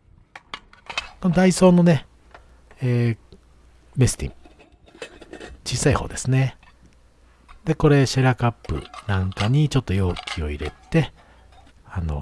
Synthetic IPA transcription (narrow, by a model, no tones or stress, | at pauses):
ko̞nod̪aiso̞ːno̞ne̞ | eː | me̞sɨ̥t̪ḭ̃ŋ | t͡ɕiːsaiho̞̰ːd̪e̞sɨne | d̪e̞ko̞ɾe̞ɕeɾakapːɯ̟̰nãŋkaɲ̟it͡ɕo̞t̪ːo̞jo̞ːkʲʰio̞̰iɾe̞̰t̪e̞ | ano̞̰